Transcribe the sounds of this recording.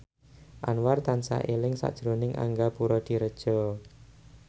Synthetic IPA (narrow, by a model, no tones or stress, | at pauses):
ʔanwart̪ansa̰ʔelɪŋsa̰ʔd̥ʒ̥ɾonɪŋʔa̰ŋɡapuɾɔd̪̥i̤ɾəd̥ʒ̥ɔ